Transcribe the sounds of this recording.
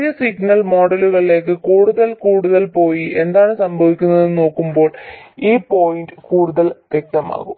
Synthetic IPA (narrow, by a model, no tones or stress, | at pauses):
ijɐsiknɐlmo̞ːɖɐluɣɐɭile̞ːk̬ːɨkuːɽuðɐlkuːɽuðɐlpo̞ːjie̞nd̪aːɳɨsɐmbʱɐʋikʲːunːɐðɨno̞ːkːumbo̞ːɭiːpo̞ːjinɖɨkuːɽuðɐlʋje̞k̚t̪ɐma̰ːɣum